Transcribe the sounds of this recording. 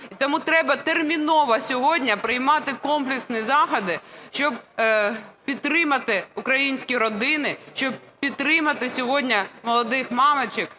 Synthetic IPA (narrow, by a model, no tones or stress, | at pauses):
it̪ɔmut̪ɾɛbɐt̪ermʲinɔʋɐsʲɔɦɔdʲnʲɐpɾɪjmɑt̪ɪkɔmplʲɪksnʲizɑxɐd̪ɪʃt͡ʃɔb̚ | pʲid̪̚t̪ːɾɪmɐt̪ɪukɾɐjinʲsʲkʲiɾɔd̪ɪnɪʃt͡ʃɔb̚pʲit̪̚t̪ːɾɪmɐt̪ɪsʲɔɦɔdʲnʲɐmɔlˠɔd̪ɪxmɑmet͡ʃɪk